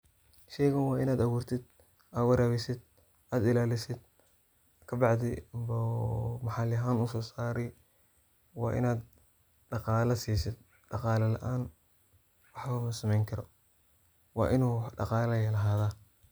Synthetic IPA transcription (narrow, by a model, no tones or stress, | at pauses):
ʃɛːjɣɐnwɑːɪnaːd̪ɐwuːrt̪ʰɪd̪ | ʔaːwɐɾaːβɪsɪd̪ | aːd̪ɪlaːlɪsɪd̪ | kʰɐbɑʕd̪ɪmbɐmɐħɑljɐɦaːnusɔːsaːɾɛj | wɑ̰ːʔɪ̰naːd̪ | ɖɑqɑːlɐsiːsɪd̪ | ɖɑqɑːlɐlɐ̰ʔaːn | wɑħβɐmɐsɐmɛjŋkʰɐɾɔ | wɑ̰ːʔɪnuːɖɑ̰qɑːlɐjɐlɐɦaːðaː